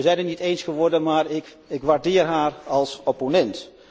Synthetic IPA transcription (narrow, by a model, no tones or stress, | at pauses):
əzɛjnətnitejnsχəʋɔɹdənmaːɹɪk | ɪkʋaːɹdɪːrɦaːrɑlˠsɔponɛnt